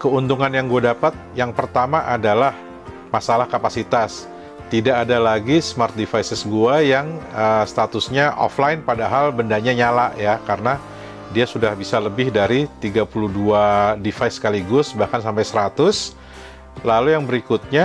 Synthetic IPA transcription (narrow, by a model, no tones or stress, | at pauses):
kəunt̪uŋanjaŋɡuadapat̪̚jaŋpərt̪amaʔadalah | masalahkapasit̪as | t̪idaʔːdalaɡismart̪̚difajsɪsɡuajaŋəst̪at̪ʊsɲaʔɔ̰flaɪnpadaɦalbəndaɲaɲalaʔjakarəna | diasudahbisaləbɪhdaɾit̪iɡapuluhduadifajsːə̥kaliɡʊsbahkansampajsəɾat̪ʊs | lalujaŋbəɾikut̪̚ɲa